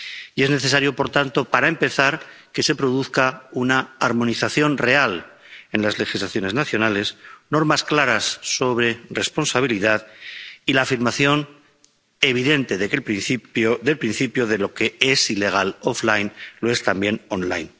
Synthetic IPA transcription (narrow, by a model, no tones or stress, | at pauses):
ie̞zne̞θe̞s̬aɾjo̞po̞ɾt̪ant̪o̞paɾaempe̞θaɾke̞se̞pɾo̞ðuθkaunaːɾmõ̞niθaθjo̞nre̞al | e̞nlazle̞xizlaθjo̞ne̞znaθjo̞nale̞sno̞ɾmasklaɾasːo̞βɾe̞re̞spo̞nsaβ̞iliðaðilaːfiɾmaθjo̞n | e̞β̞iðe̞nt̪e̞ðekelpɾinθioðe̞lpɾinθipjoðe̞lo̞ke̞e̞sile̞ɣ̞alo̞flajnlo̞e̞st̪ambje̞no̞nla̰jn